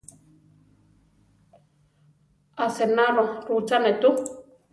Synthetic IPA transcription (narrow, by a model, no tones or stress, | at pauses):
asenaloɾut͡ʃanet̪u